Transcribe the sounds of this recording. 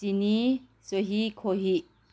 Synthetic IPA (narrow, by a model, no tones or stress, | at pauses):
ini | soɦikʰoɦi